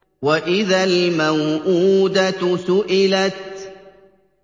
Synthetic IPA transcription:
waʔɪðalmawʔuːd̪at̪sʊʔɪlat̪̚

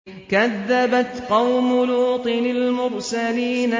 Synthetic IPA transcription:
kaðːabat̪qɑwmʊluːt̪ˤɨnalmʊɾsaliːna

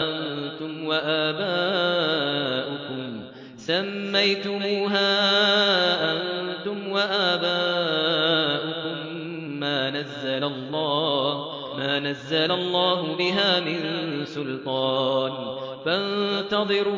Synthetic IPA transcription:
ʔant̪ʊmwaʔaːbaː | ʔʊkʊm | samːajt̪ʊmuːɦaː | ʔant̪ʊmwaʔaːbaː | ʔʊkʊmː | aːnazːalalˤːɑːh | maːnazːalalˤːɑːɦʊbɪɦaːmɪnsʊlt̪ˤɑːn | fant̪ɑðˤɨɾuː

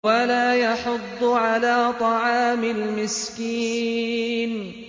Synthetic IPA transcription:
walaːjɑħʊd̪ˤːʕalaːt̪ˤɑʕɑːmɪlmɪskiː | n

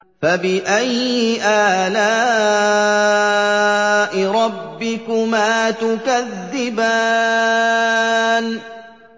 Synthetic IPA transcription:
fabɪʔajʔaːlaː | ʔɪɾˤɑbːɪkʊmaːt̪ʊkaðːɪba | n

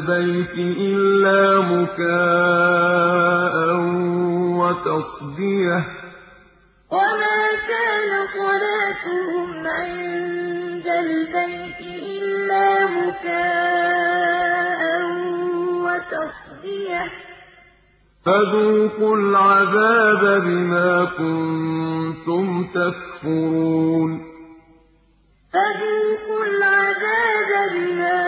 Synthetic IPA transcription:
bajt̪ɪʔɪlːaːmʊkaː | ʔa | wat̪ɑsˤb̪ɪja | wamaːkaːnasˤɑlaːt̪ʊhʊmʕɪnnd̪albajt̪ɪʔɪlːaːmʊkaː | hanwat̪ɑsˤbɪja | faðuːqʊlʕaðaːbabɪmaːkʊn | t̪ʊmt̪akfʊɾuːn | faðuːqʊlʕaðaːbabɪmaː

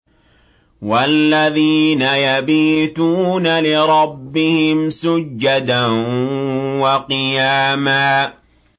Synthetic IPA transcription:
walːaðiːnajabiːt̪uːnalɪɾˤɑbːɪhɪmsʊd͡ʒːad̪a | wɑqɨjaːmaː

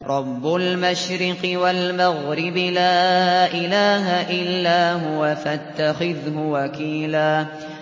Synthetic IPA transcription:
ɾˤɑbːʊlmaʃɾɪqɨwalmaɣɾɪbɪlaːʔɪlaːɦaʔɪlːaːɦʊwafat̪ːaxɪðɦʊwakiːlaː

